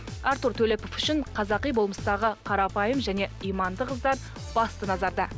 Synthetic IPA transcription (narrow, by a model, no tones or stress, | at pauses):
ɑɾt̪uɾt̪ʰɵlepofʏʃɪɴqʰɑzɑqijbo̞lˠməst̪ɑʁəqʰɑɾɑpɑjəmʒæne̞ijmɑnd̪əqəzd̪ɑɾ | b̥ɑst̪ənɑzɑɾd̪ɑ